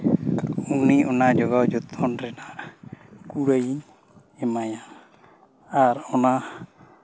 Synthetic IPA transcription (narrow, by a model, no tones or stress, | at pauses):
uniʔɔnad͡ʒɔɡad͡ʒɔt̪ʰɔnɾɛna | kuɾəjiɲ | ɛmaja | aɾɔna